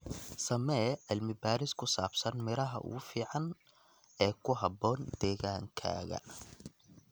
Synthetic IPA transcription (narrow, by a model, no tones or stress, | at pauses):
sɐmɛːʕɪlmɪbaːɾɪskʰʊsaːbsɐnmɪɾɐɦɐ̰ʔʊ̰ɣʊfiːʕɑn | ɛːkʰʊɦɑbɔːnd̪ɛːɣaːŋkʰa̰ːɣɐ̰